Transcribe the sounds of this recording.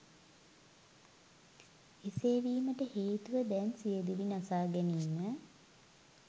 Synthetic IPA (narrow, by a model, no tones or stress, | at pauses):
iseːʋiːməʈəheːt̪uʋəd̪ɛnsijed̪uʋinasaːɡɛniːmə